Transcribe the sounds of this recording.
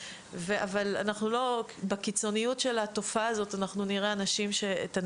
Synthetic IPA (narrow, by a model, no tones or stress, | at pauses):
veʔavala̰naχnulo̞ | bakit͡so̞nijutʃe̞lato̞faːzo̞tanaχnuniʁeanaʃimʃe̞t̪an